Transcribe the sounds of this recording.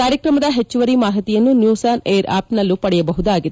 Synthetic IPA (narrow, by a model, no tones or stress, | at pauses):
kaːɾjɐkɾɐmɐd̪ɐɦe̞t͡ʃːuʋɐɾimaːɦit̪ijɐnːunjuːsaːneːɐɾa̰ːpnɐlːupɐɽɛjɐbɐɦud̪aːɡid̪